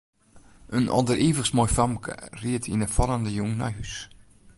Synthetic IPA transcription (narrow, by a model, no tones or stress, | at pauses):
ənʔɔ̰dəriːvəsmojfamkʰə̰riətʰinəfɔləndəjuŋnɔ̰jhys